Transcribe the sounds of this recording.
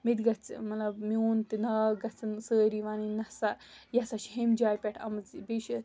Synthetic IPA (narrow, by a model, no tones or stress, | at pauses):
mid̪ɡɐt͡smɐtlɐbmʲoːnt̪inɐɡɐt͡sɨnsəːɾiʋaninɐsajɐsaʃɦemd͡ʒaːjpʲeʈʰɐmɐt͡sibiʃi